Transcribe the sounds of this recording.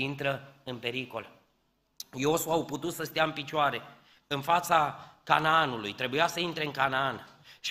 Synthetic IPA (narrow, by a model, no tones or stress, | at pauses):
int̪ɾəɨnpe̞ɾiko̞̰l | jo̞suauput̪ut̪səst̪eaɨmpit͡ʃoaɾe̞ | ɨnfat̪saka̰naanulujt̪ɾe̞bujasəint̪ɾe̞ɨŋkanaanʃ